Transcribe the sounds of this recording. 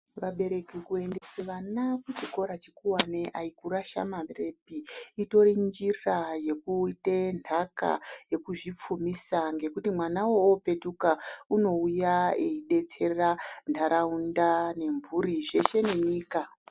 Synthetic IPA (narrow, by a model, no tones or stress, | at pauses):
ʋaɓe̞ɾe̞kikue̞nde̞seʋanakut͡ʃiko̞ɾat͡ʃikuwaneʔaikuraʃa̰mare̞piito̞rind͡ʒiraje̞kuitenʰaka̰je̞kuʐip͡fumisaŋɡe̞kutimwanawoːpe̞tukauno̞ujaeiɗe̞t͡se̞randaɾʔaundane̞ɱvuriʐe̞ʃe̞ne̞ɲiːka